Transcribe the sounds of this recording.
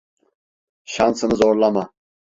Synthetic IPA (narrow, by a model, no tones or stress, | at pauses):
ʃansɨnɨzoɾlˠama